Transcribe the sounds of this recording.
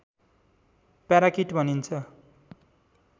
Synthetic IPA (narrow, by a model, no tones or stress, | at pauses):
paɾakiʈbʱʌnint͡sʰʌ